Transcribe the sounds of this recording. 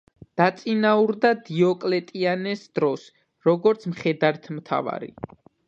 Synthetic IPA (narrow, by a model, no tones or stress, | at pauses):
d̪̥at̪sʼinauɾd̪ad̪iɔkʼlɛt̪ʼianɛsd̪ɾɔs | ɾɔɡɔɾt̪sʰmχɛd̪aɾt̪ʰmt̪ʰa̰va̰ɾḭ